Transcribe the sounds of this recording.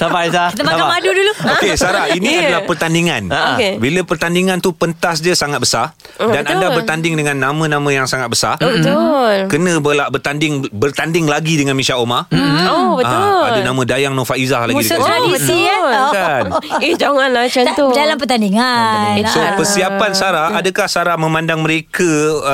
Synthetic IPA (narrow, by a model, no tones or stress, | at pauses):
saat̪maamaduduluokesaɾainĩadalapərt̪andiŋãnkebiləpərt̪andiŋãnt̪upənt̪as̬d͡ʒəsaŋat̪̚bəsar | ddanandabərt̪andɪŋdəŋãnːãmə̃nãmə̃jaŋsaŋat̪̚bəsarəolkənə̃bəlaʔbərt̪andɪŋbərt̪andɪŋlaɡidəŋanmĩʃaomaobəaadənãmə̃dajaŋnõfaʔizahlaɡidiaii | id͡ʒaŋanlat͡ʃot̪odalamp̬ərt̪andiŋansopərsiapansaɾahadəkahsaɾahmə̃mãndaŋməɾekə